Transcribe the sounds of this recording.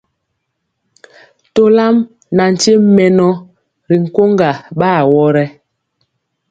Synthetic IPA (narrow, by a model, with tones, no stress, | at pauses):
to˦la˦m | na˨n̩˨te˦m˦mɛ˨nɔ˦ | ɾi˨ŋ̩˨ko˦ŋɡa˨ɓaː˦˨wɔ˦ɾɛ˦